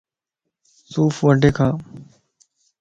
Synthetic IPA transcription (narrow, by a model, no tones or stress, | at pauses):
suːfʋəɖʱeːkʰãː